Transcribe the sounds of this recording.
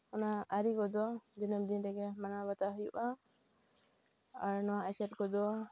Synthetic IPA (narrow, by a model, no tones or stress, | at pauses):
ɔnaːɾikɔd̪ɔd̪inəmd̪inɾɛɡɛmanabət̪aɦujuʔa | aɾnɔwaʔɛsɛʈ̚kɔd̪ɔ